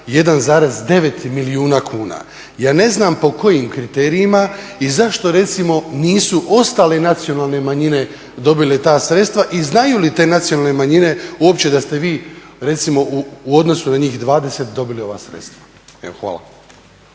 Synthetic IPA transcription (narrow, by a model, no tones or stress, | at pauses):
je̞d̪anzaːɾe̞zd̪e̞ʋe̞t̪miliuːnakʰuːna̰ː | jaːne̞znampo̞ko̞jimkɾit̪e̞ːɾijima | izaʃt̪o̞ɾe̞t̪simo̞niːsuʔo̞st̪aːle̞nat̪sio̞naːlˠne̞maɲine̞ | d̪o̞bilet̪aːsɾet̪st̪ʋaʔiznajulit̪e̞ːnat̪sijonalne̞maɲine̞uo̞pt͡ɕe̞d̪ast̪e̞ʋiːɾe̞t̪simo̞ʔuuo̞d̪no̞sunaɲiːxd̪ʋaːd̪e̞set̪̚d̪o̞bilio̞ʋa̰ːsɾḛt̪st̪ʋḁ | ḛoxʋa̰ːla̰